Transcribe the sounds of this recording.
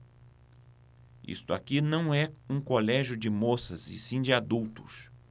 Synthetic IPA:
ḭst̪ʊa̰kinɐ̃w̃ɛũkolɛʒjʊd͡ʒɪmosɐzɪ̰sĩd͡ʒɪad̪uwt̪ʊ̥s

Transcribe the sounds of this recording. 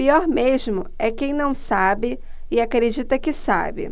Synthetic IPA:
piɔɾmeʒmʊɛkẽj̃nɐ̃w̃sabɪ | ɪakɾed͡ʒit̪ɐkɪsa̰bɪ̰

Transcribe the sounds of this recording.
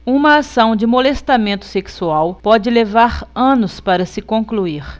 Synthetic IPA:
ũmɐːsɐ̃w̃d͡ʒɪmolest̪amẽnt̪ʊ̥seksuawpɔd͡ʒɪlevaɾɐ̃nʊspaɾɐsɪkõkluiɾ

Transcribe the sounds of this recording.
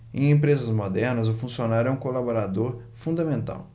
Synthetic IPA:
ḛ̃j̃ẽpɾezɐzmod̪ɛɾnɐzʊfũsionaɾʊɛũkolaboɾad̪oɾ | fũnd̪ɐmẽnt̪a̰w

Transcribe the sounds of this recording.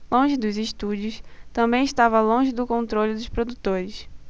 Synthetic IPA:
lõʒɪd̪ʊzɪʃt̪ud͡ʒiʊst̪ɐ̃mbẽj̃ɪʃt̪avɐlõʒɪd̪ʊkõnt̪ɾolʲʊd̪ʊspɾod̪ut̪oɾɪs

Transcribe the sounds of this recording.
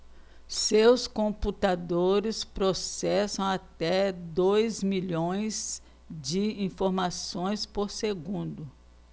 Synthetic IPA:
sewskõput̪ad̪oɾɪspɾosɛsɐ̃w̃at̪ɛd̪ojzmiʎõj̃z | d͡ʒɪĩfoɾmasõj̃spoɾseɡũnd̪ʊ

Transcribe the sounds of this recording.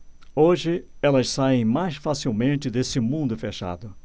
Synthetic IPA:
oʒɪɛlɐssaẽj̃majsfasiwmẽnt͡ʃɪd̪esɪmũnd̪ʊfeʃa̰d̪ʊ

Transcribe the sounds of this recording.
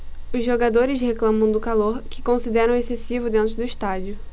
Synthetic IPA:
ʊzʒoɡad̪oɾɪsheklɐ̃mɐ̃w̃d̪ʊkaloɾkɪ̥kõsid̪ɛɾɐ̃w̃esesivʊd̪ẽnt̪ɾʊd̪ʊiʃt̪ad͡ʒiʊ

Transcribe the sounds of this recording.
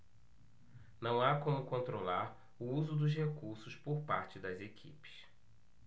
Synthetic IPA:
nɐ̃w̃akõmʊkõnt̪ɾolaɾ | uuzʊd̪ʊzɦekuɾsʊspoɾpaɾt͡ʃɪd̪ɐzekʰḭpɪ̥s

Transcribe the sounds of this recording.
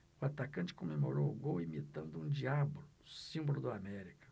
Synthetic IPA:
ʊat̪akɐ̃t͡ʃɪ̥komemo̰ɾowʊɡowimit̪ɐ̃nd̪ʊũd͡ʒiabʊlʊsĩmbolʊd̪ɐamɛɾikɐ̥

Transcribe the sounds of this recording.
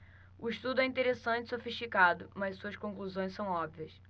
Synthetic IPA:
ʊiʃt̪ud̪ʊɛĩnt̪eɾesɐ̃nt͡ʃɪ̥sofiʃt͡ʃikad̪ʊmɐzsuɐskõŋkluzõj̃sɐ̃w̃ɔbviɐs

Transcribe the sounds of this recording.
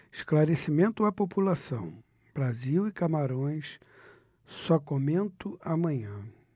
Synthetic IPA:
ɪʃklaɾesimẽnt̪ʊɐpopulasɐ̃w̃ | b̥ɾaziwɪkamaɾõj̃s | sɔkomẽnt̪ʊamɐ̃ɲɐ̃

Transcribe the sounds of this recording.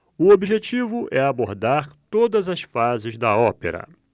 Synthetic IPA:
ʊobiʒet͡ʃivʊʔɛaboɾd̪aɾt̪od̪ɐzɐsfazɪzd̪ɐɔpḛɾɐ̰

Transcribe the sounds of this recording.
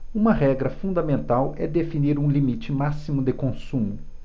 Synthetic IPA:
ũmɐɦɛɡɾɐfũnd̪ɐmẽnt̪awɛd̪efiniɾũlimit͡ʃɪmasimʊd̪ɪkõsũmʊ

